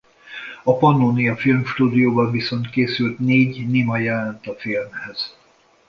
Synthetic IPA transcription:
ɒpɒnːoːnijɒfilmʃt̪uːd̪ijoːbɒɱviso̞nt̪keːsylt̪neːɟnimɒjɛlɛnt̪ɒfilmhɛz̥

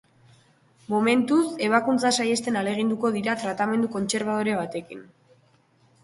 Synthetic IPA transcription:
mome̞nt̪use̞β̞akunt͡sasaje̞st̪e̞nale̞ɣ̞ind̪uko̞ð̞iɾat̪ɾat̪ame̞nd̪uko̞nt͡se̞ɾβ̞að̞oɾe̞β̞at̪e̞kin

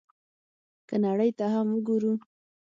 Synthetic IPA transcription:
kənaɽəjt̪aɦamwəɡuɾu

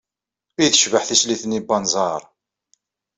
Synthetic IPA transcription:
ijθəʃvəħθisliθnibɑnzˤɑɾˤ

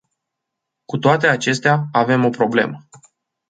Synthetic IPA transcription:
kut̪oat̪e̞at͡ʃe̞st̪eaːve̞mo̞pɾo̞ble̞̰mə

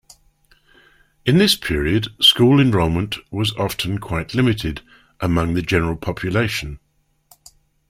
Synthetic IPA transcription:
ɪ̃nðɪspʰɪəɹiəd̥skuːlˠɪ̃nɹɔmə̃nʔwɒzɒftʰə̃nkʰw̥aɪʔlɪmɪtʰɪd | ʔəmʌ̃ŋðəd͡ʒɛnəɹəlˠpʰɒpʰjəleɪʃə̃n

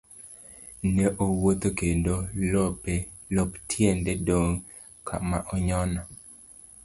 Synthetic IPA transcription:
nɛʔowot̪okendolɔpelɔptʰjendɛdoŋ | kʰa̰maʔɔɲɔnɔ

